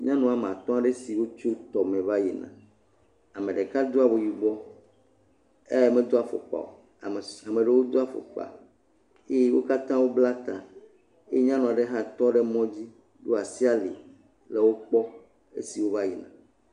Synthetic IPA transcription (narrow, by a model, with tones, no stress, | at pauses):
ɲã˦nũ˨a˨me˨a˨t̪ɔ̃˦a˦ɖe˦si˨wo˦t͡ʃo˦t̪ɔ˨mẽ˨va˦ji˨nã̰˨ | a˨mẽ˨ɖe˨ka˦d̪o˦a˨bo˨ji˨ɡ͡bɔ˦ | ḛ˦je˨me˨d̪o˦a˨fɔ̰˨k͡pa̰˨o̰˨ | a˨mẽ˨ɖe˨wo˦d̪o˦a˦˨fɔ̰˨k͡pa̰˨ | e˦je˦wo̰˦ka˦t̪ã˦wo˦bla˦t̪ã˨ | e˦e˦ɲã˦nũ˨a˨ɖe˦ɦã˦t̪ɔ̃˦ɖe˦mɔ̃˦d͡ʑi˦ | ɖo˦a˨si˦a˦lḭ˨ | le˨wo˦k͡pɔ˦ | ḛ˦si˨wo˦va˦ji˨nã̰˨